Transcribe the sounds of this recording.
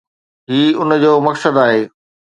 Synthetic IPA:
ɦiːʊnd͡ʑoːmɐksəd̪aːɦeː

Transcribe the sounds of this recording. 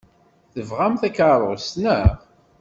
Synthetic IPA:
θəvʁæmθækaɾˤʁsnəʁ

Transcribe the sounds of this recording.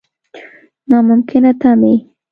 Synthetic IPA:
nɑmʊmkʰɪnat̪ami

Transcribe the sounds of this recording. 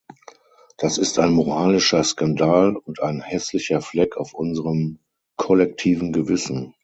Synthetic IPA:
d̥asɪstaɪnmoʁaːlɪʃɐskandaːlʊntaɪnhɛslɪçɐflɛkʰaʊfʔʊnzəʁəm | kʰɔlɛk̚tʰiːvn̩ɡəvɪsn̩

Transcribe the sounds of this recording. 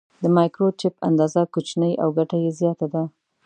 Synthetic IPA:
d̪əmɑjkɾot͡ʃɪpa̰nd̪ɑzakot͡ʃnəjʔa̰wɡaʈajezjɑt̪ad̪a

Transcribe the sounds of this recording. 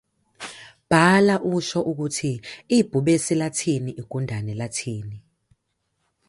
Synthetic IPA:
b̥ʱalaʔuʃɔʔuk̬utʰiib̥ʱuɓesilatʰiniʔiɡ̥ʱundʱanɛlatʰiːni

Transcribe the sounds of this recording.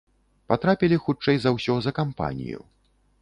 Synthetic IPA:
pat̪ɾapʲilʲixut͡ʂɛjzawsʲɔzɐkampa̰nʲḭjṵ

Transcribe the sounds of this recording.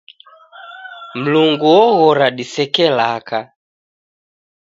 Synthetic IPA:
m̩luŋɡuwɔɣɔɾaɗisɛkɛlaka

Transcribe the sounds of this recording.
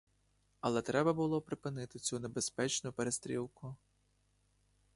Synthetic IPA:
ɐlˠɛt̪ɾɛbɐbʊlˠɔpɾɪpɪnɪt̪ɪt͡sʲunebespɛt͡ʃnʊpeɾest̪ɾʲilˠkʊ

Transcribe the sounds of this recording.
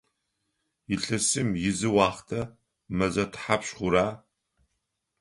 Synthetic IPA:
jɪɬɨsɨmjɪzɨwɑːχtʰɐ | mɐzɐtʰħapɕχʷʊɾaː

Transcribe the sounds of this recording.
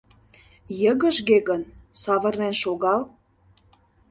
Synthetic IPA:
jə̆ɣə̆ʒɣeɣənsɑβə̆rnenʃoɣɑl

